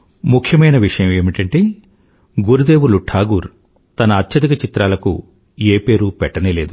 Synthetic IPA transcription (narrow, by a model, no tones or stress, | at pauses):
mukʰjɐmɐjnɐʋiʂɐjɐme̞ːmiʈɐɳʈeː | ɡuɾud̪e̞ːʋuluʈʰaːɡuɾ | t̪ɐnɐːt̪ʰjɐd̪ikɐt͡ʃit̪ɾaːlɐkṵ | eːpe̞ːɾupɛʈːɐneːle̞ːd̪u